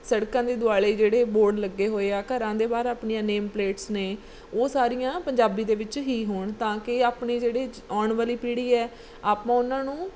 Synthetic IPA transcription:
səɽkãːd̪eːd̪ʊaːɭeːd͡ʒeːɽeːboːɾɖləɡːeːɦoːeːaːkəɾãːd̪eːbaːɾaːpɳijãːneːmpleːʈsneː | oːsaːɾijãːpəɲd͡ʒaːbiːd̪eːʋɪt͡ʃɦiːɦoːɳt̪ãːkɪaːpɳiːd͡ʒeːɽeː | aːɳʋaːliːpiːɽiːɛː | aːpãːʊnãːnũː

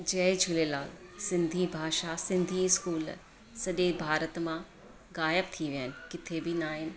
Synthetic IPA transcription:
d͡ʑɐːd͡ʑʱʊlelaːlsɪ̃nd̪ʱibʱaːʃasɪ̃nd̪ʱiɪskuːl | sɐʄebʱaːɾət̪mã | ɣaːjəbt̪ʰiʋiənɪ̆kɪt̪ʰebinaːɦɪnɪ̆

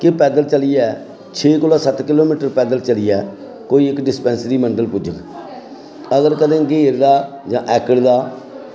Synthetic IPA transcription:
kepɛːd̪əlt͡ʃəliːɛː | t͡ʃʰeːkʊlaːsət̪kɪloːmiːʈəɾpɛːd̪əlt͡ʃəliːɛː | koːiːɪkɖɪspɛ̃ːnsɾiːməɳɖəlpʊd͡ʒək | əɡəɾkəd̪ẽːɡeːɾd̪aː | d͡ʒãːʔɛːkəɽd̪aː

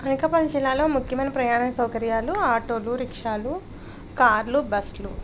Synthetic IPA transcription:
ɐneːkɐpɐlid͡ʒilːaːlo̞ːmukʰjɐmɐnipɾɐjaːɳɐkɐsɐwkɐɾjaːluaːʈoːluɾikʂaːlu | kaːɾlubɐslu

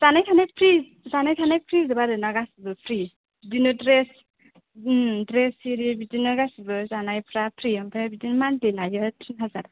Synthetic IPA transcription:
z̥anajkʰanajpʰɾi | zanajkʰanajpʰɾizɯbadɯnaɡasibɯpʰɾi | bidinɯdɾes | dɾesiɾibidinɯɡasibɯzanajpʰɾapʰɾiɔmpʰebidinmandilajɯtʰinɦazaɾ

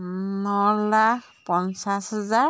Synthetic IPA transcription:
nɔlak̚ʰpɔnsasɦaza

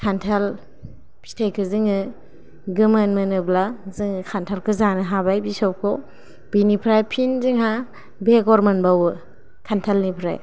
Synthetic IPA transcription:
kʰantʰal | pʰi̥stʰekʰɯzɯŋɯ | ɡɯmɯnmɯnɯblazɯŋɯkʰantʰalkʰɯzanɯɦabajbisɔwkʰɔ | b̥inipʰɾajpʰinzɯŋɦa | beɡɔɾmanbawɯ | kʰantʰalnipʰɾa̰j

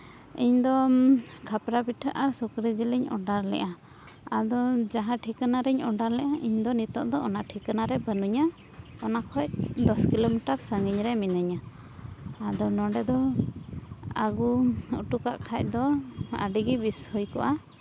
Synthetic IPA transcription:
iɲd̪ɔkʰapɾabiʈʰəʔaɾsukɾid͡ʒiləɲɔ̰ɖaɾlɛ̰ʔa | ad̪ɔd͡ʒaɦãʈʰikanaɾɛɲɔɖaɾlɛʔaʔiɲd̪ɔnit̪ɔʔd̪ɔːnaʈʰikənaɾɛbənuɲa | ɔnakʰɔj̚d̪ɔskilomiʈaɾsəŋɡiɲɾɛminəɲaː | d̪ɔnɔ̃ɖɛd̪ɔ | aɡuṵʈukaʔkʰac̚ˀd̪ɔa̰ɖiɡibishujkɔʔa

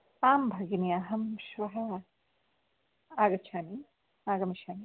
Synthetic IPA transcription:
aːmbʱɐɡiniaːɦɐmʃʋɐɦɐ | aːɡɐt͡ʃʰaːni | aːɡɐmiʃaːni

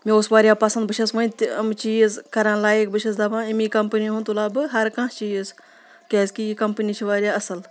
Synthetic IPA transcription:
mĩosʋaːɾʲjaːpɐsɐ̃nd̪̚bɨʃʰɐsʋɐ̃nt̪iɐmt͡ʃiːzkɐɾãːlaːek̚bɨʃʰɐs̬d̪apʰãːimĩkɐmpəniɦũnt̪ulaːbɨɦɐɾkãːt͡ʃiːjz | kʲeːzkikɐmpənit͡ʃʰiʋaːɾʲjaːɐsɐl

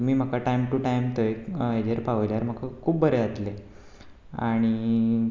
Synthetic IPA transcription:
miːm̤əkaʈajmʈuʈajmt̪oeed͡ʑeɾpaʋəjljaɾm̤əkakʰuːbbəɾeat̪le | aɽ̃i

